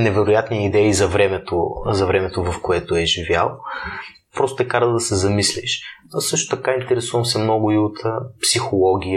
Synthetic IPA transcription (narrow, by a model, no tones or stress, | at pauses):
nɛvɛɾʊjat̪nijəid̪ɛizɐvɾɛmɛt̪o̰zɐvɾɛmɛt̪ovɐfkoɛt̪ʊɛʒivja̰lˠ | pɾɔst̪t̪ɛkaɾd̪ɐsɛzɐmislḭʃsɤʃt̪ʊ̥t̪ɐkaint̪ɛɾɛsuvəmsɛmnɔɡʊiot̪psixolˠɔɡ̟ʲij